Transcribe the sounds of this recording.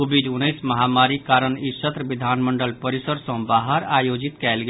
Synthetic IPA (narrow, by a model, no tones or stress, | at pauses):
ubid͡ʒunəjsməɦamaɾikaɾənisət̪ɾəbid̪ʱanməɳɖəlpəɾisəɾsə̃baɦəɾajod͡ʒit̪kɛlɡe